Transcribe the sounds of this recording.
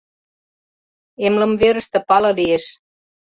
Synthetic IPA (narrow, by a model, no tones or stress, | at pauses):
emlə̆mveɾə̆ʃt̪ɤ̆pɑlɤ̆lijeʃ